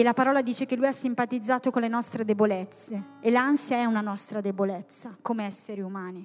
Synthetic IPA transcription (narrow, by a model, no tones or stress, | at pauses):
elapaɾɔːlad̪iːt͡ʃekelːujasːimpat̪id̪zːaːt̪okonlenɔst̪ɾed̪ebolet̪sːe | elansjaɛunanɔst̪ɾad̪ebolet̪sːakomeɛsːeɾiumaːni